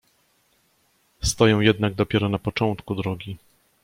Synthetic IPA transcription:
st̪ɔjɔ̃w̃jɛd̪naɡ̚d̪ɔpʲjɛɾɔnapɔt͡ʂɔnt̪kud̪ɾɔɡʲi

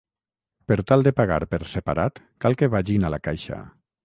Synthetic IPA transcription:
peɾt̪alˠd̪epaɣa̰ɾpeɾsepaɾat̪ | kalˠkeβaʒinalakajʃa̰

